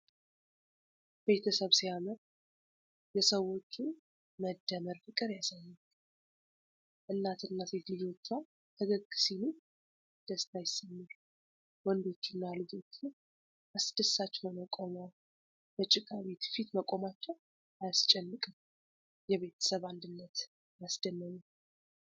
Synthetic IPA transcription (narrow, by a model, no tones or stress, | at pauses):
b̥e̞t̪ʰəsəβsijaməɾ | jɛsəwo̞t͡ʃːun | məd̪ːəməɾfɨkʼɨɾjasajːum | ʔɨnːat̪ʰɨnːaset̪lɨd͡ʒo̞t͡ʃːa | t̪ʰəɡəkʼːɨ̥sinu | d̪̥əst̪ʰajɪsːəmːɨɾ | wɔnd̪o̞t͡ʃːɪnːalɨd͡ʒo̞t͡ʃːu | ʔasd̪əsːat͡ʃːhonəkʼomaw | b̥ət͡ʃʼɪkʼaβe̞t̪fit̪məkʼo̞mat͡ʃːɛw | ajast͡ʃʼɛnːɨkʼɨm | jɛβe̞t̪ʰə̥səβand̪ɨnːət̪ | jasd̪ənːəɲu